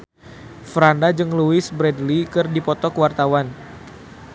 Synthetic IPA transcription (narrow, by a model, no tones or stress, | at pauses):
fɾandad͡ʒɨŋluɪsbɾɛdlikɨrdipɔt̪ɔkəwart̪awan